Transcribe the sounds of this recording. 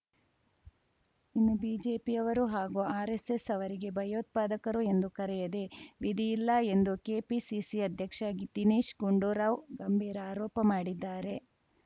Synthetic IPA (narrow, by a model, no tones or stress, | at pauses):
inːubiːd͡ʒeːpiɐʋɐɾuɦaːɡuaːɾesesɐʋɐɾiɡe̞bʱɐjoːt̪̚paːd̪ɐkɐɾue̞nd̪ukɐɾɛjɐd̪eʋid̪ijilːɐe̞nd̪uke̞ːpisisiɐd̪ʱjɐkʂaɡit̪iniːʃɡuɳɖuːɾaːʋɡɐmbʱiːɾɐaːɾɔːpɐmaːɽid̪ːaːɾe̞